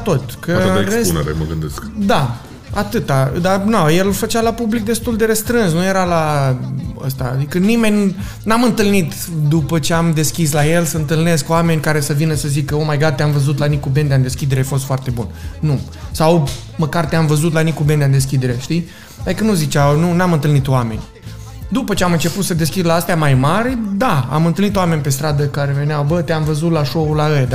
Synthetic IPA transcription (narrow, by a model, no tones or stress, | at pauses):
t̪o̞t̪kʰəeɾeunḛɾḛmə̰ɡɨ̰nd̪eskd̪a | at̪ɨt̪ad̪anaje̞lfət͡ʃalapublik̚d̪e̞st̪uld̪e̞ɾəst̪ɾɨnsnuje̞ɾala | ə̰st̪aːd̪ikənime̞nʲ | namɨnt̪ɨlnit̪ | d̪upət͡ʃe̞amd̪e̞skʲislaje̞lsəɨnt̪ɨlne̞skoame̞nʲkaɾe̞səvinəsəzikəomajɡad̪̚t̪eamvəzut̪lanikube̞nd̪eand̪e̞skʲid̪e̞ɾefo̞st̪foart̪e̞bunnu | saw | məkart̪eamvəzut̪lanikube̞nd̪eand̪e̞s̬kʲid̪e̞ɾeʃt̪i | ad̪ikənuzit͡ʃawnunamɨnt̪ɨlnit̪oame̞̰nʲ | d̪upət͡ʃeamɨnt͡ʃe̞put̪səd̪e̞skʲid̪laast̪eamajmaɾʲd̪aa̰mɨnt̪ɨlnit̪oame̞nʲpe̞st̪ɾad̪əkaɾe̞ve̞neawbət̪eamvəzut̪laʃo̞ulaəjd̪a